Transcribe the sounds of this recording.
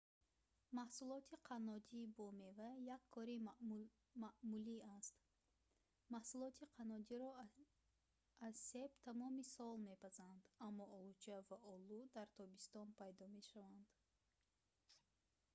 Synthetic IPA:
mahsulɔt̪ʰiqʰanɔd̪iːbɔme̞vajakʰːɔɾi | maʔmuliast̪ | mahsulˠɔt̪ʰiqʰanɔd̪iɾɔ | azse̞bt̪ʰamɔmisɔlme̞pazand̪amːɔɔlut͡ʃʰavaʔɔlud̪aɾt̪ʰɔbist̪ɔnpʰajd̪ɔme̞ʃavand̪̥

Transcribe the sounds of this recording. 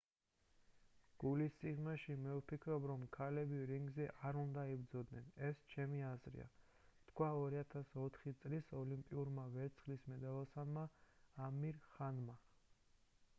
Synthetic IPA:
ɡ̥ulissʼiʁmɛʃimɛvpʰikʰɾɔbɾɔmkʰalɛbiɾiŋɡzɛʔaɾund̪aibd̪zɔd̪nɛnɛst͡ʃʰɛmiazɾḭa̰ | t̪ʰkʰwaɔɾiat̪ʰasɔt̪ʰχit̪sʼlisɔlimpʼiuɾmavɛɾt̪sʰχlismɛd̪avasanmaamiɾχanma

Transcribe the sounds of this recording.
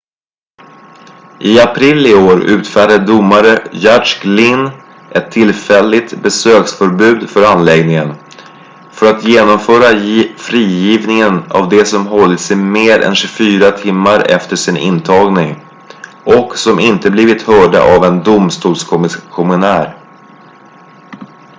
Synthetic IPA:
ʔɪapʰɾɪlːɪoːɾʉ̟ːt̪fæːɖəd̪ʊmːaɾəjɑʂɡlɪn | ʔɛt̪ʰːɪlfɛlːɪt̪bɛsøːksfœɾbʉ̟ːd̪fœɾanlɛɡnɪŋən | fœɾat̪ʰjeːnɔmfœːɾafɾiːjiːvnɪŋəna̰vd̪ɛsɔmɦɔlːəsɛjmeːɾʔɛ̰nɕʉfyːɾat̪ʰɪmːaɾɛ̰ft̪əʂɪnɪ̰nːt̪ʰɑːɡnɪŋ | ʔɔksɔmɪnt̪əbliːvɪt̪hœːɖa̰ʔavɛnd̪ʊmst̪uːlskʰɔmɪɧʊmʊnæːɾ

